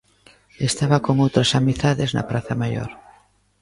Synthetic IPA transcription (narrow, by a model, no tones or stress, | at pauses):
est̪aβako̞ŋowt̪ɾasamiθaðezna̰plaθamaʝo̰ɾ